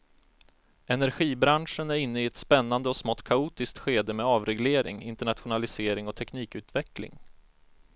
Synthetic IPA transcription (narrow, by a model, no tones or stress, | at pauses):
ʔɛnæɾɧiːbɾanʂənæɾɪnːəɪɛt̪spɛnːand̪əɔsmɔt̪ːkʰauːt̪ɪsk̚t̪ɧeːd̪əmɛɑːvɾɛɡleːɾɪ̰ŋɪnt̪əɳat̪ɧʊnalɪseːɾɪŋɔt̪ʰɛkniːkʉ̟ːt̪vɛklɪ̰ŋ